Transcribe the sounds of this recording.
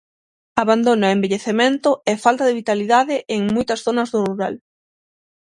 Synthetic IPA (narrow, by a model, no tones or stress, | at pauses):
aβand̪onembeʎeθemẽnt̪ʊefalt̪ɐðɪβit̪aliðaðɪʔeŋmojt̪ɐsθonɐzðʊruɾal